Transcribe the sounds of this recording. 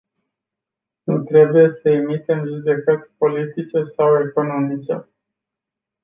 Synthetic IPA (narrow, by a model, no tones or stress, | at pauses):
nut̪ɾe̞buje̞səemit̪e̞mʒud̪e̞kət̪sʲpo̞lit̪it͡ʃe̞sawe̞ko̞no̞mit͡ʃe̞̰